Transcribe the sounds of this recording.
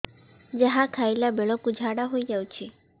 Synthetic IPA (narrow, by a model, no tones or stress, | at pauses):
d͡ʒəɦakʰajlabeɭɔkud͡ʒʱaɽaɦojd͡ʒawt͡ʃʰi